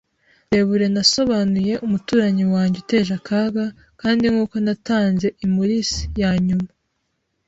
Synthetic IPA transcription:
eβuɾe̞naso̞βanuje̞ʔumutuːɾaɲiwaːɲɟute̞ːʒakaɡa | kaːndiŋuːko̞nataːnze̞ʔimuɾisi̥jaːɲuma

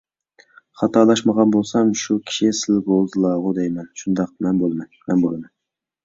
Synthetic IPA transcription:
χɑt̪ʰɑlˠɑʃmɑʁɑnbolˠsamʃʊkʲʰɪ̥ʃisɪlɡozlˠɑʁʊd̪ejmanʃʊnd̪ɑq̚manbolˠmanmanbolˠaman

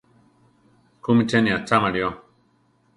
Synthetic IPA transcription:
kumit͡ʃeniat͡ʃamaɾio

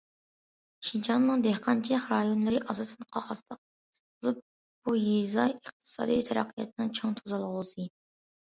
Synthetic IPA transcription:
ʃid͡ʒɑnːɨŋd̪ɛhqʰɑnt͡ʃʰɛχɾɑjonlˠɨɾɪʔɑzɑsɨnqʰɑχɑslˠəq̚ | bolˠup̚ | b̥ujezɑəqt̪ʰɨ̥sɑ̰ːd̪ijt̪ʰɛɾɑ̰qʰːijɑ̰t̪̚ʰɨnɨŋt͡ʃʰoŋt̪ʰuzɑlˠʁʊzɨ

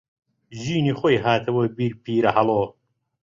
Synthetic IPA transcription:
ʑiːniχojɦaːt̪ʰɐwobiɾpʰiːɾɐhɐloː

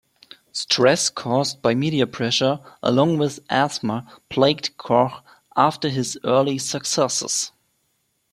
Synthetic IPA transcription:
stʰɹ̥ɛskʰɔzt̚b̥aɪmiɾiɨpʰɹ̥ɛʃə˞ʔə̰lɔ̃ŋwɪðʔæsməpʰl̥eɪɡdkʰɔx | ʔaftə˞ɪzɜ˞lisəksɛsə̰s

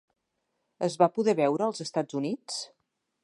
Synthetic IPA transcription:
əzβapuðɛβɛwɾəːlˠzəst̪ad͡zunit͡s

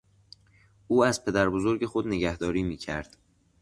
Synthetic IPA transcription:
ʔuːæzpʰe̞d̪æɾbozo̞ɾɟe̞xo̞d̪ne̞ɟæhd̪ɒːɾiːmiːcʰæ̰ɾd̪̥

